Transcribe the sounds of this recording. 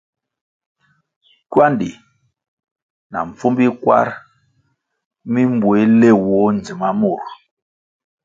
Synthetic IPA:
kwa˦ndi˨ | na̰˨ɱ̩˨fu˦mbi˦kwa̰˦ɾ | mi˦m˦bwe˨˦le˦˨wɔ˨˦n˨d͡zi˨ma˦mu˦˨ɾ

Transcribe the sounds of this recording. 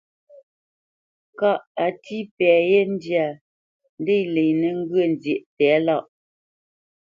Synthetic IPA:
ka˨ʔa˨tʰi˦pɛ˨je˦n˦dja˨ | n˦de˦˨le˨jnɛ˨ŋ̩˦ɡɥə˦˨n˨d͡zje˨ʔpɛː˨˦la˦˨ʔ

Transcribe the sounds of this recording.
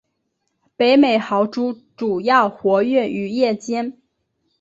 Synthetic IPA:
pe˧˥ɪme˨˩ɪxɑ˧˥ʊʈ͡ʂu˥ | ʈ͡ʂu˨˩jɑ˥˩ʊxwɔ˧˥ɥɛ˥˩ny˧˥jɛ˥˩t͡ɕjɛ˥n

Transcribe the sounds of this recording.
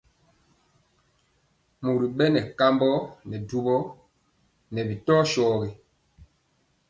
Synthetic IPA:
mu˨ɾi˨ɓɛ˦nɛ˨ka˦mbɔ˦nɛ˨du˦bɔ˦ | nɛ˨bi˨tɔː˦ʃɔː˨ɣi˨

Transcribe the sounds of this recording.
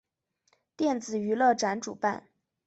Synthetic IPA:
t̪jɛ˥˩nt͡sɹ̩˨˩y˧˥lɤ˥˩ʈ͡ʂa˧˥nʈ͡ʂṵ˨˩pa˥˩n

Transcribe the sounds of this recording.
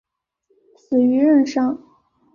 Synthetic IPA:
sɹ̩˨˩y˧˥ɻə˥˩nʂɑ˥ŋ

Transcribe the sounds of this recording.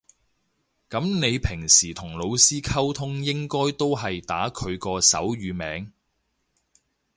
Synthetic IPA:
kɐ˨˥mne˨˧jpʰɪ˨˩ŋsiː˨˩t̪ʰʊ˨˩ŋlo˨˧wsiː˥kʰɐ˥wt̪ʰʊ˥ŋjɪ˥ŋkɔː˥jt̪o˥wɦɐ˨jt̪aː˨˥kʰɵ˨˧ɥkɔː˧sɐ˨˥wɥyː˨˧mɛː˨˥ŋ

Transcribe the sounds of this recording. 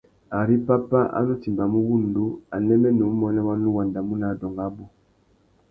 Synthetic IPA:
a˨ɾi˦pa˦pa˦ʔa̰˦nu˦ti˨mba˨mu˦wu˦˨n˨du˦a˨nɛ˦mɛ˦nɛ˨u˦mɔ˦na˦wa˦nu˦wa˨nda˨mu˦na˨dɔ˨ŋɡa˦bu˦

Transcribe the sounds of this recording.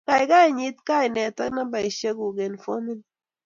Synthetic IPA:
ka˨i˨ka˦i˨ɲi˦t̚ka˦i˨nɛ˨ta˦kna˦ba˨i˨ʃe˦ku˨ɡe˨nfo˦mi˦n

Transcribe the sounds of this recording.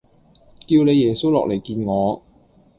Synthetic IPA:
kiː˧wne˨˧jːɛː˨˩so˥wlɔ̰ː˨k̚le˨˩jkiː˧nŋɔː˨˧

